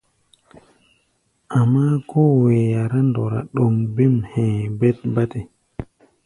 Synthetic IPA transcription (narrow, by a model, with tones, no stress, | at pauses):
ʔa˨mːa˦kɔ˦wɛ˨ja˨ɾa˦ndɔ˨ɾa̰˨ɗɔ˨mbɛ˦mhɛ̃˨bɛ˦t̚ba˦tɛ˨